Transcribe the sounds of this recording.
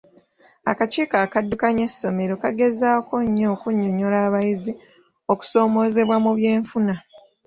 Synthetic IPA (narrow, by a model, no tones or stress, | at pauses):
a̰kaceːkakadːukaɲe̞sːo̞me̞ɾo̞kaɡe̞zaːko̞ɲːo̞ːkuɲːoɲolaːβajizi | o̞ku̥so̞ːmo̞ːze̞βwamuβje̞ːɱfuna